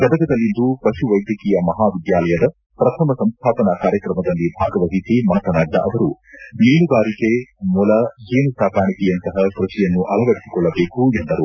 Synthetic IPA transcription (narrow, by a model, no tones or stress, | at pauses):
kɐd̪ɐɡɐd̪ɐlːind̪upɐʃuʋɐjd̪jɐkiːjɐmɐɦaːʋid̪jaːlɐjɐd̪ɐ | pɾɐt̪ʰɐmɐsɐmst̪ʰaːpɐnɐkaːɾjɐkɾɐmɐd̪ɐlːibʱaːɡɐʋɐɦisimaːt̪ɐnɐːɖːɐ̰ʔɐʋɐɾuniːnuɡaːɾikemulɐeːnusaːkaːɳik̪ijɐnt̪ɐɦɐkɾɐʃɛjɐnːuʔɐlɐʋɐɽisi̥kɔɭːɐbeːkuend̪ɐɾu